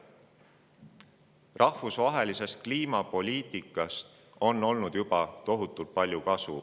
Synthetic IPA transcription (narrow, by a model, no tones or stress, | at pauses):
rʔɑhvusvɑɦe̞lise̞st̪̚kliːmɑpo̞lʲiːt̪ˑikːˑɑst̪ | o̞nːo̞lnud̪̥jubɑt̪o̞ɦut̪ːˑult̪̚pɑlʲjukɑsṵ